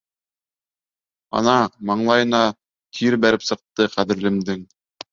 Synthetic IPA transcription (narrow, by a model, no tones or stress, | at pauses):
ɑ̰nɑmɑɴlˠɑjɤ̆nɑ | t̪ʰiɾbæɾɘpsɤ̆q̚t̪ɤqæðɘ̆ɾlɘ̆md̪ɘŋ